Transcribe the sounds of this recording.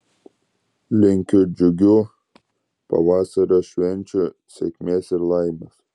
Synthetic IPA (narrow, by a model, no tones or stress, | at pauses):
lʲɪŋʲkʲʊd͡ʒʲʊɡʲʊ | pɐ̰ʋɑːsɐɾoʃʲʋʲɛnʲt͡ʃʲʊ | sʲɛkʲmʲeːsɪɾlˠɐɪmɐs